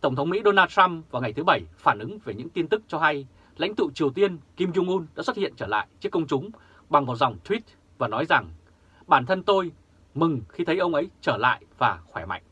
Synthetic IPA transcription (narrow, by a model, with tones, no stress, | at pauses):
t̪ə˧˩wŋ͡mt̪ʰə˨˦wŋ͡mmḭ˧˥ɗo˧naː˧t̚t̪a˧mvaː˨˩wŋa˨˩jt̪ʰɨ˨˦ɓə˧˩jfaː˧˩nʔɨ˨˦ŋve˨˩ɲɨ̰˧˥ŋt̪i˧ənt̪ɨ˦˥k̚t͡ɕɔ˧ɦa˧j | la̰˧˥jŋ̟t̪ɨ̰˧˨t͡ɕi˨˩əwt̪i˧ənki˧mzu˧ŋʔu˧nɗa̰ː˧˥swə˦˥t̚hḭ˧˨ənt͡ɕəː˧˩la̰ː˧˨jt͡ɕi˦˥əkːə˧wŋ͡mt͡ɕʊ˨˦ŋ͡m | ɓa˨˩ŋmɔ˨˩t̚za˨˩wŋ͡mt̪ʰwi˦˥t̚ | vaː˨˩nɔ˨˦jza˨˩ŋ | ɓaː˧˩nt̪ʰə˧nt̪o˧j | mɨ˨˩ŋxi˧t̪ʰə˨˦jʔə˧wŋ͡mʔə˨˦jt͡ɕəː˧˩la̰ː˧˨jvaː˨˩xwɛ˧˩ma̰˧˨ŋ̟